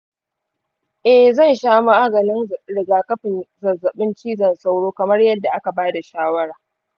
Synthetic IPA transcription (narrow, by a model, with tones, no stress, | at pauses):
ʔɛ˨hzɐ˦˨nʃaː˦ma˦ʔa˦ɡɐ˨nɪ˦n˨ɽɪ˨ɡaː˨kɐ˦ɸɪ˨nzɐ˨zːɐ˨ɓɪ˦nt͡ʃiː˦zɐ˨nsa˦wɽoː˦kɐ˨mɐ˦rjɐ˦dːa˨ʔa˦ka˨baː˦da˨ʃaː˦wɐ˦ɽaː˨